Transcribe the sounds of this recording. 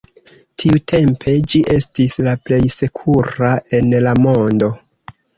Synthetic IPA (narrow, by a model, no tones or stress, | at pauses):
tʰiutʰe̞mpʰe̞d͡ʒiʔe̞stislaple̞jse̞kʰuɾaʔe̞nlamo̞ndo̞